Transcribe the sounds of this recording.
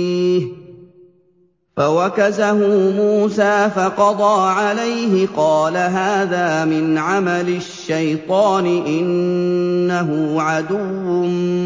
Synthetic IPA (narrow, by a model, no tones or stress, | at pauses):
h | fawakazaɦʊmuːsaːfɑqɑd̪ˤɑːʕalajɦɪqɑːlaɦaːðaːmɪnʕamalɪʃːajt̪ˤɑːnɪʔɪnː | aɦʊʕad̪ʊwːʊ